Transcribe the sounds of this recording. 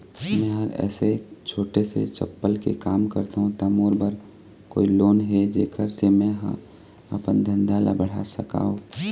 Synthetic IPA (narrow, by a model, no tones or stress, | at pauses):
mɛ̃ːɦɐɾɛ̰ːset͡ʃʰoːʈesḛt͡ʃɐ̰pːəlkḛkaːmkəɾt̪aɦũt̪ɐmoːɾbəɾ | ko̰ːiloːnɦɛd͡ʒeːkʰəɾsemɛ̃ɦə̰ | əpənd̪ʱə̃nd̪ala̰bəɽ̤a̰ːsəka̰ːoː